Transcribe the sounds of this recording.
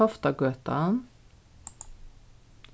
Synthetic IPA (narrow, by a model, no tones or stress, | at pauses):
ɑft̪ɑɡøːt̪ɑ̰n